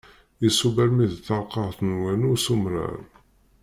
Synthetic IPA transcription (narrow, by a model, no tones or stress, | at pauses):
isubæɾmiðθɑɾqɑʁθnwænusumɾa̰ɾ